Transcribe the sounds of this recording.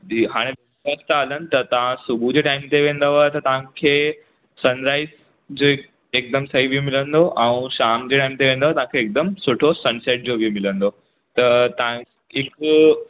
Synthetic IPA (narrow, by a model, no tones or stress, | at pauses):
d̪iɦaɽ̃ẽʋjɐʋiʃast̪əalənt̪ət̪ɐʋ̤ãsubʱud͡ʑeʈaimt̪eʋẽːnd̪əʋat̪ət̪ãkʰe | sənɾais | d͡ʑo | ek̚d̪əmsəɦibʱimilə̃nd̪oʔãũɕamd͡ʑeʈaimt̪eʋẽnd̪aʋat̪aʋãkʰeːk̚d̪əmsoʈʰosənseʈ̚d͡ʑobʱimɪlə̃nd̪o | t̪ət̪ã | ɪk